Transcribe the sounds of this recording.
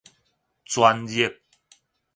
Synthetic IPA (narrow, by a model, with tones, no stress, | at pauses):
t͡swa˧nji˦˨p̚